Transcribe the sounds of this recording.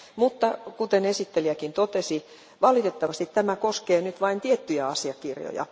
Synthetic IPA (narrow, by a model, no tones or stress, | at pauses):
mut̪ːɑkut̪enesit̪ːeliækint̪ot̪esi | ʋɑlit̪et̪ːɑʋɑst̪it̪t̪æmækoskeːnyt̪ʋɑint̪iet̪ːyjæɑsiɑkirjo̰jɑ̰